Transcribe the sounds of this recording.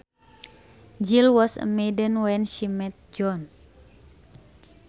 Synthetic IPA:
d͡ʒilwɔsə̰medənwɛnʃimɛt̪̚d͡ʒɔn

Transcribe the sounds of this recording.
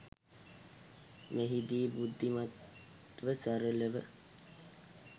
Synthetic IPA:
meɦid̪iːbud̪ʱːimat̪ | ʋəsæɾələʋə̰

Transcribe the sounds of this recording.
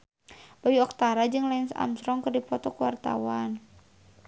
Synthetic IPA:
b̥ajuɔk̚t̪aɾad͡ʒɨŋlɛɪnsa̰msɾɔŋkɨrdipɔt̪ɔkəwart̪a̰wan

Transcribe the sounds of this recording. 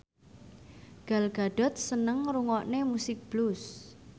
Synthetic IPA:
ɡ̥a̤lɡ̥a̤ɖ̥ɔ̤t̪̚sənəŋɾuŋɔʔnemusɪk̚b̥lus

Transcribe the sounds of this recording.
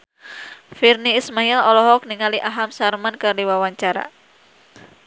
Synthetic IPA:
firniːsmailɔlɔɦɔk̚niŋaliʔaɦamsarmankərdiwawaɲt͡ʃaɾa̰

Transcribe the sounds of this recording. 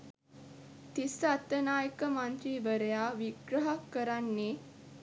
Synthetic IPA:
t̪isat̪ːənaːjəkəmant̪ɾiːʋəɾəjaːʋiɡɾəɦakːəɾanːe

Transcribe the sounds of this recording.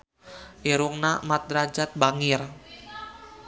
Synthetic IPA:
ʔiɾuŋnamat̪̚ɾad͡ʒat̪̚baŋɪr

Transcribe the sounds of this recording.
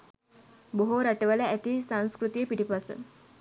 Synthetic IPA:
boɦoɾaʈəʋələæt̪isaŋskɾut̪ijəpiʈipasə̰

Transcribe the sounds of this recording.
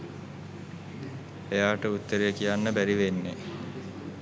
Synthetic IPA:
ejaːʈəut̪ːəɾejəkijanːəbæɾiʋenːe

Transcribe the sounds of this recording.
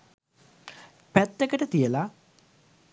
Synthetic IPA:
pæt̪ːekəʈət̪ijəla

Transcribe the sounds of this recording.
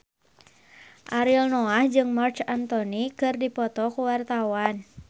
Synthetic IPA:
ʔaɾilnɔahd͡ʒɨŋmart͡ʃant̪ɔnikɨrdipɔt̪ɔkuwart̪awan

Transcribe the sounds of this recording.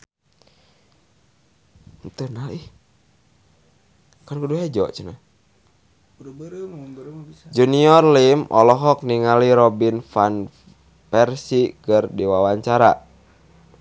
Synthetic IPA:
nt̪ənalih | kankuduɦɛd͡ʒɔt͡ʃuna | d͡ʒuniɔrlimʔɔlɔɦɔk̚niŋaliɾɔbinfan | pɛrsikɨrdiwawaɲt͡ʃaɾa̰

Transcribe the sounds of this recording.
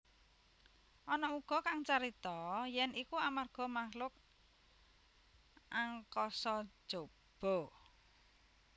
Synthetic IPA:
ʔɔnɔuɡ̥ɔ̤kaŋt͡ʃaɾit̪ɔjɛnikuamarɡ̥ɔ̤mahlʊk̚ | ʔaŋkɔsɔ̥ʒ̥o | b̥ɔ̤

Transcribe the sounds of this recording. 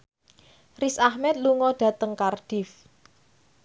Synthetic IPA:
risahmɛt̪̚luŋɔɖ̥ä̤t̪əŋkarɖ̥ɪf

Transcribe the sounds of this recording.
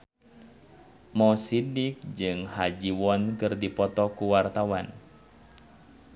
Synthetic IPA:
mɔsidik̚d͡ʒɨŋhad͡ʒiwɔnkɨrdipɔt̪ɔkuwart̪awan

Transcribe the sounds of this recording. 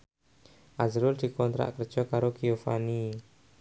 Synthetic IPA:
ʔazɾʊld̪̥i̤kɔnt̪ɾa̰ʔkərd̥ʒ̥ɔ̤kaɾokiofa̰ni

